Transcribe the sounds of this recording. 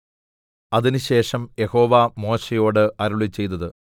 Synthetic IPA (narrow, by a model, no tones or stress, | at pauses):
ɐðinɨɕe̞ːʂɐmje̞ho̞ːʋɐmo̞ːɕejo̞ːɽɨʔɐɾuɭit͡ɕːe̞jt̪ːɐðɨ